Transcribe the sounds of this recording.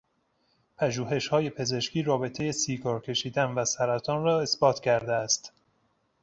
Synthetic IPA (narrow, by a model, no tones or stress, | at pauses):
pʰæʒuːɦe̞ʃhɒːje̞pʰe̞ze̞ʃciːɾɒːbe̞t̪ʰe̞je̞siːɡɒːɾcʲʰe̞ʃiːd̪ænvæsæɾæt̪ʰɒːnrɒːe̞sbɒːt̪ʰcʰæɾd̪eæst̪